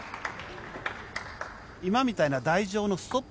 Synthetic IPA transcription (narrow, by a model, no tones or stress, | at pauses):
imamʲit̪ainad̪aiʑo̞ːno̞sɨ̥t̪o̞p